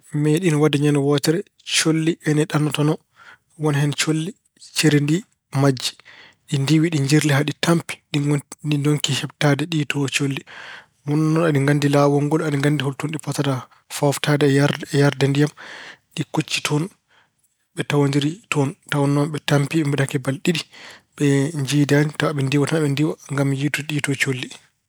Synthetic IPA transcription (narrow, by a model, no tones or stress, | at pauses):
mɛɗinwadɛɲanɔwɔtɛɾɛ | t͡ʃolːiʔɛnɛɗanːɔtɔnɔ | wɔnhɛnt͡ʃolːi | t͡ʃɛɾendi | mad͡ʒːi̥ | ɗindiwiɗiɲd͡ʒiɾliɦaɗitʰampi̥ɗinidoŋkihɛbtadɛɗitʰɔt͡ʃolːi | mɔnɔnɔnaɗiŋɡandilawɔŋɡɔlaɗiŋɡandiholtunɗifɔtada | faftʰadɛjaɾdɛndijamɗikut͡ʃːi̥tʰɔn | ɓɛtawandiɾitʰɔntawɔnːɔmɓɛtampiɛmbɛɗakɛbalɗiɗiɓɛɲd͡ʒidanitɔaɓɛndiwatanaɓɛndiwaŋɡamjituɗitɔt͡ʃolːi